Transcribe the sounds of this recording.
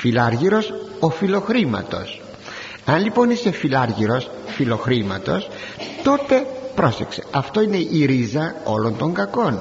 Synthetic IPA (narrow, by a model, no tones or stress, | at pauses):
filɐɾʝiɾo̞so̞filo̞xɾimɐ̰t̪o̞̰s | ɐnlipo̞nise̞filɐɾʝiɾo̞s | filo̞xɾimɐt̪o̞s | t̪o̞t̪e̞pɾo̞se̞kse̞̥ɐft̪o̞ine̞ʔiɾizɐo̞lo̞nt̪o̞ŋɡɐko̞n